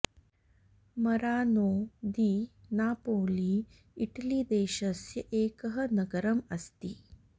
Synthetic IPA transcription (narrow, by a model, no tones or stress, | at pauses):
mɐɾaːnoːd̪iːnaːpoːli | iʈɐlid̪eːʃɐsjɐʔeːkɐɦɐnɐɡɐɾɐmɐst̪i